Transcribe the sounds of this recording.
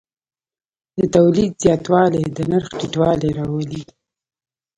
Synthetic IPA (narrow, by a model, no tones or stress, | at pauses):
d̪ət̪awlid̪zjɑt̪wɑled̪ənaɾxʈiʈwɑleɾɑwəli